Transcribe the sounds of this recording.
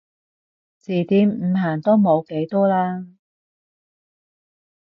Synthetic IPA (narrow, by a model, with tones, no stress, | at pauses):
t͡siː˨˩t̪iː˨˧mm̩˨˧ɦaː˨˩nt̪o˥mo˨˧wke˨˥jt̪ɔː˥laː˥